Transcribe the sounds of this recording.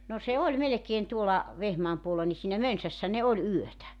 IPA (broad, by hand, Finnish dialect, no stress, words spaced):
no se olʲ melekeːn tuolɑ ʋehmɑːm puolːɑ ni siːnæ mønsæsːæ ne olʲ yøtæ